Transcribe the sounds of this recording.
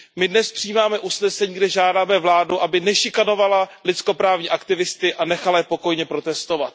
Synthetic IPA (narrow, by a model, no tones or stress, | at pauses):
mɪdnɛspr̝̥ijiːmaːmɛʔusnɛsɛɲiːɡdɛʒaːdaːmɛvlaːduʔabɪnɛʃɪkano̞valalɪt͡sko̞pɾaːvɲiːʔakt̪ɪvɪst̪ɪʔanɛxalajɛpo̞ko̞jɲɛpɾo̞t̪ɛst̪o̞vat̪̚